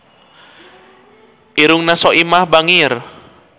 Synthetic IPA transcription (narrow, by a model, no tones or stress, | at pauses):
ʔiɾuŋnasɔʔimahbaŋir